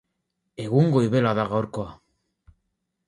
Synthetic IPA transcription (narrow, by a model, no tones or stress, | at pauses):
e̞ɣuŋɡoiβe̞laðaɣawɾkoa